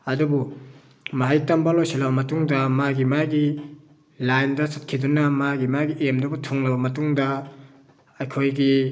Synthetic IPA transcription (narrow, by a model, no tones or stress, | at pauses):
ɐdubu | maɦajtɐmbalojselɐbɐmɐtuŋdɐmaɡimaɡi | lajndɐsɐt̚kʰidunɐmaɡimaɡiʔemdubɐtʰuŋlɐbɐmɐtuŋdɐ | ɐjkʰojɡi